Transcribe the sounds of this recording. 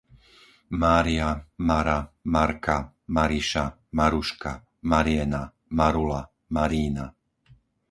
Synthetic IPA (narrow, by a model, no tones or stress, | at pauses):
maːɾiamaɾamaɾka | maɾiʃa | maɾuʃka | maɾiɛna | maɾula | maɾiːna